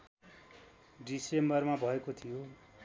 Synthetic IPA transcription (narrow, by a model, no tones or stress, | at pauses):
ɖisembʌrmabʱʌekot̪ʰijo